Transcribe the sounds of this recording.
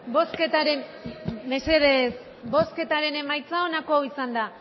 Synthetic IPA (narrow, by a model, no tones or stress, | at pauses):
bo̞sket̪aɾenbe̞se̞ðes | bo̞ske̞t̪aɾe̞ne̞majt͡sao̞nako̞awisand̪a